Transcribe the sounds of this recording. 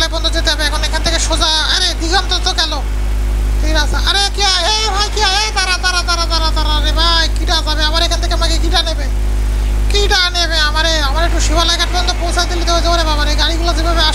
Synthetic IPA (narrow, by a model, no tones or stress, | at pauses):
lajbɔnd̪ʱod͡ʑet̪eɦɔbeɛkʰonekʰanet̪ʰekeʃozaaɾed̪iɡɔnt̪ot̪okɛlo | k̪ejʈasaaɾekiaɦe | bʱajkiaɦejb̪aɾad̪aɾad̪aɾad̪aɾat̪aɾaɾebakiʈazabeamaɾekʰant̪ʰekemaɡekiʈanebe | kiʈaneβeamaɾeamaɾek̚ʈuʃibʱalajkaʈbɔnd̪opowsad̪ilːit̪eɦoed͡ʑabeɾebabaɾeɡaɽiɡulad͡ʑibeabea